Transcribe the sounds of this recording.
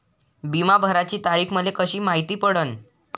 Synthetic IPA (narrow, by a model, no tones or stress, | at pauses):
bimabʱəɾat͡ɕiːt̪aɾiːkʰməd̪lʱekəɕiːmaɦit̪iːpəɽən